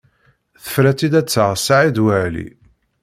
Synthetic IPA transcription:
θə̥fɾæt͡sːid̪æt͡sːəʁsːaʕid̪wæʕlḭ

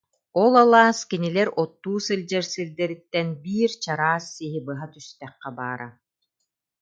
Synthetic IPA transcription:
ɔlˠalˠaːskinilɛɾɔt̪ːuːsɯlʲd͡ʑɛɾsɯld̪ɛɾit̪ːɛnbiːɾt͡ɕaɾaːsːiɦibɯɦat̪yst̪ɛχːɛba̰ːɾa

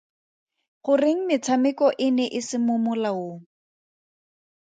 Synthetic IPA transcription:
χʊrɪŋ̩mɪt͡sʰamɪkɔʔɪnɛʔɪsɪmʊmʊlaoːŋ̩

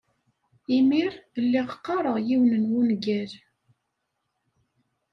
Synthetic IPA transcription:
imiɾlːiʁqːɑɾˤəʁjiwnənwunɡæɾ

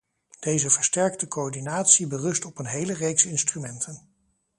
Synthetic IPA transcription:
d̥ejzəvəɹstɛɹk̚təkoɔɹdinaːtsibərɵstɔpənɦejlərejksɪnstrymɛntʰən

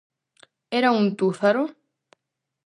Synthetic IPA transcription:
eɾaunt̪uθaɾo

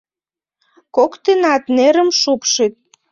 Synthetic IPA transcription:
kokt̪enɑt̪neɾəmʃupʃit̪̚

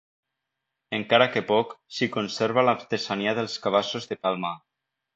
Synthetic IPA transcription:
eŋkaɾakepɔksikonseɾβalapt̪esaniaðelˠskaβ̞asozðepalˠma

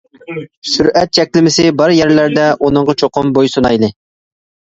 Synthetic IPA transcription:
syɾɛt̪̚t͡ʃʰɛkʲlɪmɪsɪbɑɾjɛɾlæɾd̪ɛʔunɨɴʁɑt͡ʃʰoqʊmbojsonɑjlˠɨ

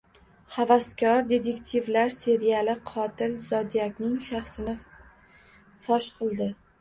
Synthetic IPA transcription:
havaskʲʰɒɾd̪e̞t̪ʰe̞kʲt̪ʰivlaɾse̞ɾialɪqʰɒt̪ʰɪlzɒd̪ijakʲnɪŋʃaχsɪnɪ | fɒʃqʰɨlˠd̪ɪ

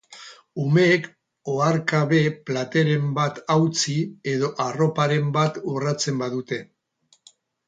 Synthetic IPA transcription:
ume̞ːk | oaɾkaβe̞plat̪e̞ɾe̞mbat̪awt͡sie̞ðo̞ʔaro̞paɾe̞mbat̪urat͡se̞mbaðut̪e̞

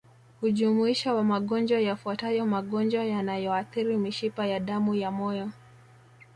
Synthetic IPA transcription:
huʄumuiʃawamaɠɔnd͡ʒwajafuatajɔmaɠɔnd͡ʒwajanajɔaθiɾimiʃipajaɗamujamɔjɔ

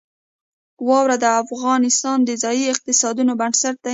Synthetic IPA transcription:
wɑwɾad̪əafɣɑnɪst̪ɑnd̪əzɑjiɪq̚t̪ɪsɑd̪unobansaʈ̚t̪ːa

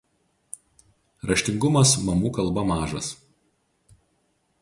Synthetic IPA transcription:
ɾɐʃʲt̪ʲɪŋɡʊmɐsmɐmuːkɐlˠˑbɐmɑːʒɐs

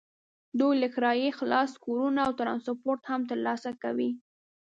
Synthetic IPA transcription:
d̪ujləxɾɑjexlɑskoɾunaːwt̪ɾɑnspoɾt̪hamt̪əɾlɑsakawi

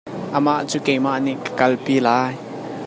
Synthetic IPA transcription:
ʔəmaʔt͡sukejmaʔniʔkə̥kɐlpiːlaːj

